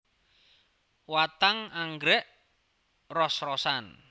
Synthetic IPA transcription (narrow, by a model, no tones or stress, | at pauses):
wat̪aŋaŋɡɾɛʔ | rɔsrɔsan